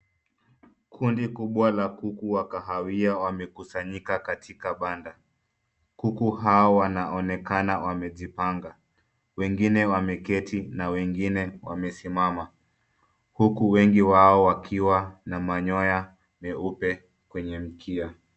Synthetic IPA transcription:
kʰundikuɓwalakukuwakaɦawiawamɛkusaɲikakatʰikaɓanda | kukuɦaɔwanaʔɔnɛkanawamɛʄipaŋɡa | wɛŋɡinɛwamɛkɛtinawɛŋɡinɛwa̰mɛsimama | hukuwɛŋɡiwaɔwakʰiwanamaɲɔja | mɛupɛ | kwɛɲɛm̩kʰia

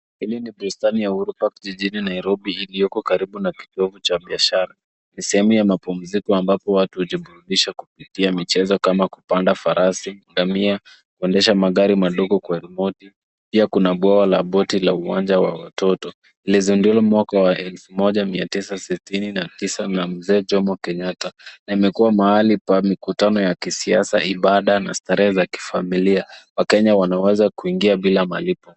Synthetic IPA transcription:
hiliniɓustanijauɾupakʄiʄininaiɾɔɓiilijɔkɔkaɾiɓunaki̥tɔvut͡ʃaɓiaʃaɾa | nisɛhɛmujamapum̩zikɔambapɔwatuhuʄiɓuɾuɗiʃakupitiamit͡ʃɛzɔkamaku̥pandafaɾʔasiɡamia | kuɛndɛʃamaɠaɾimaɗɔɠɔkwaɾɛmɔti | piakunaɓwawalaɓɔtilauwa̰nd͡ʒawa̰watɔtɔ | ilizundulamwakawaʔɛlfumɔʄamiatisasitininatisanam̩zɛːd͡ʒɔmɔkɛɲatanaimɛkuwamaalipamikutanɔjakisiasa̰iɓaɗana̰staɾɛɛzaki̥familiawakɛɲawanawɛzakuiŋɡiaɓilama̰lipɔ

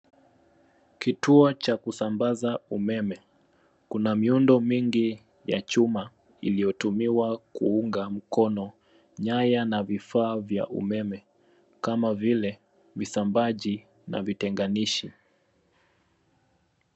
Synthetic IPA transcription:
kituɔt͡ʃakusambazaumɛmɛ | kunamiundɔmiŋɡi | jat͡ʃuma | ilijɔtumiwakuuŋɡam̩kɔnɔ | ɲajanavifaːvja̰ʔṵmɛmɛ | kamavilɛ | visambaʄi | na̰vitɛŋɡaniʃi

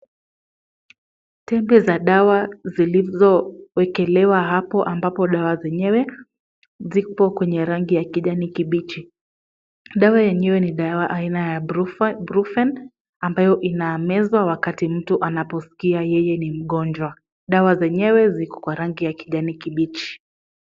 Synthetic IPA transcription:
tɛmbɛzaɗawazilizɔwɛkɛlɛwaɦapɔʔambapɔɗawazɛɲɛwɛ | zikɔkwɛɲɛɾaŋɡijakiʄanikiɓit͡ʃi | ɗawajɛɲɛwɛniɗawaʔainajabɾufɛn | ambajɔʔinaːmɛzwawakatim̩tuʔanapɔsi̥kiajɛjɛnim̩ɠɔnd͡ʒwa | ɗawazɛɲɛwɛzikɔ̥kwaɾaŋɡijakiʄanikiɓit͡ʃi̥

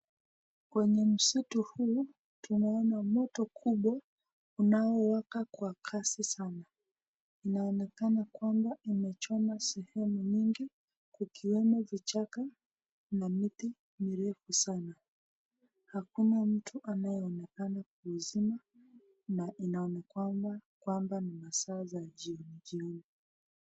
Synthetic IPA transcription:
kwɛɲɛm̩situhuː | tunaɔnamɔtɔkʰuɓwa | unaɔwakakwakʰasisana | inaɔnɛkanakwambaimɛt͡ʃɔnasɛhɛmuɲiŋɡi | kukiwɛmɔvit͡ʃaka | namiti | miɾɛfusana | hakunam̩tʰuʔanajɛɔnɛkanak̚uːzima | naʔinaɔnɛkamakwambanimasaːzaʄiɔniʄiɔni

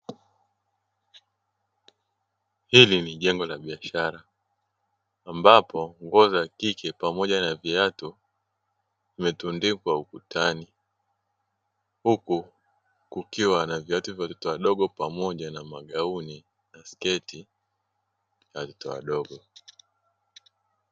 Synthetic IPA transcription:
hiliniʄɛŋɡɔlaɓiaʃaɾa | mbapʰɔŋɡɔzakikʰɛpamɔʄanaviatu | vimɛtundikwaukutʰani | huku | kukiwanaviatuvjawatɔtɔwaɗɔɠɔpamɔʄanamaɠauni | naskɛti | jawatɔ̥tɔwa̰ɗɔɡɔ

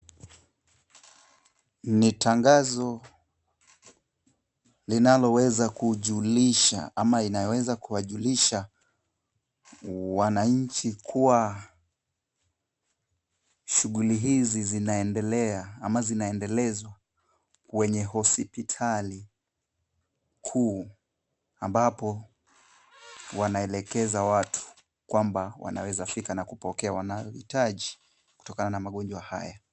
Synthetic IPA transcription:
nitʰaŋɡazɔ | linalɔwɛzakuʄuliʃa̰amainajɔwɛzakuwaʄuliʃa | wanaɲ̩t͡ʃikʰuwa | ʃuɠuliɦizizinaɛndɛlɛaamazinaɛndɛlɛzwa | wɛɲɛɦɔsipitʰali | kʰuː | ambapɔ | wanaɛlɛkɛzawatʰu̥ | kwambawa̰na̰wɛzafikanakupɔkɛawanajɔhḭtaʄi | ku̥tɔkananamaɠɔnd͡ʒwaha̰ja

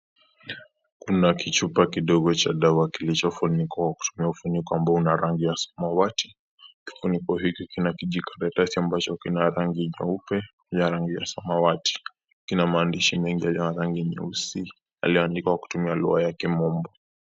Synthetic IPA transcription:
kunakit͡ʃupakiɗɔɠɔt͡ʃaɗawakilit͡ʃɔfunikɔkwaku̥tumiaufunikɔambaunaɾaŋɡijasɔ̥mawati̥ | ki̥funikɔɦikikinakiʄikʰaɾatasiambat͡ʃɔkinaɾaŋɡiɲɔ̰upɛ | ɲaɾaŋɡija̰samawati̥ | kinamaːndiʃimɛŋɡialiɔnaɾaŋɡiɲɛ̰usi | a̰liɔandikakwaku̥tumialṵajakɛmɔmbɔ

